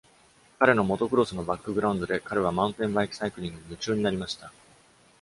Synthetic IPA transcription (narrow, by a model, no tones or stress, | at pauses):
kaɾe̞no̞mo̞t̪o̞kɯ̟ɾo̞sɨno̞bakːɯ̟ɡɯ̟ɾaɯ̃nd̪o̞d̪e̞kaɾe̞β̞amãɯ̟̃nt̪ẽ̞mbaikʲi̥saikɯ̟ɾʲĩŋɡɯ̟ɲimɯ̟t͡ɕɨːɲ̟inaɾʲimaɕi̥t̪a